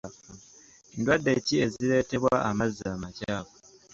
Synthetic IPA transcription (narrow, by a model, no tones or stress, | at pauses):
endwadːe̞cie̞ziɾe̞te̞βwaʔamazamacaːko